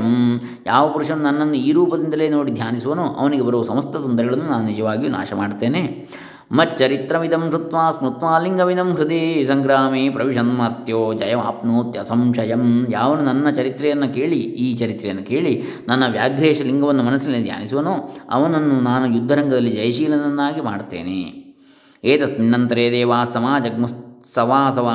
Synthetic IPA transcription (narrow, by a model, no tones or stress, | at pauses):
ɐm | jaːʋɐpɐɾuʂɐnːunɐnːɐnːuiːɾuːpɐd̪ind̪ɐleːnoːɽid̪ʱjaːnisuʋɐnuʔɐ̰ʋɐniɡebɐɾuʋɐsɐmɐst̪ʰɐt̪ond̪ɐɾɐɡɐɭɐnːunaːnunid͡ʒɐʋaːɡijuna̰ːʃɐma̰ːɖt̪e̞ːneː | mɐt͡ʃɐɾit̪ɾɐʋid̪ɐmʂut̪ʋaːsmut̪ʋaːliŋɡɐʋid̪ɐmʃɾɐd̪isɐŋɡɾaːmipɾɐʋiʃɐnmɐɾt̪joːd͡ʒɐjɐma̰ːpnoːt̪jɐsɐmʂɐjɐmjaːʋɐnunɐnːɐt͡ʃɐɾit̪ɾɛjɐnːɐkeːɭiiːt͡ʃɐɾit̪ɾɛjɐnːɐkeːɭinɐnːɐʋjaːɡɾeːʃɐliŋɡɐʋɐnːumɐnɐsːinːid̪ʱja̰ːnisiʋɐnuːɐ̰ʋɐnɐnːunaːnujud̪ʱːɐɾɐŋɡɐd̪ɐlːid͡ʒɐjɐʃiːlɐnɐnːaːɡima̰ːɽt̪ḛːnḛː | eːt̪ɐsminːɐnt̪ɐɾeːd̪eːʋaːsɐmaːd͡ʒɐɡmɐssɐʋaːsɐʋaː